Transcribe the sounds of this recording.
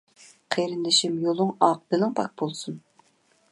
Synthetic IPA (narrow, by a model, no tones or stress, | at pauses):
qʰeɾɪnd̪ɪʃɪmjolˠʊŋɑq̚bɪlɪŋpʰɑk̚bolˠsun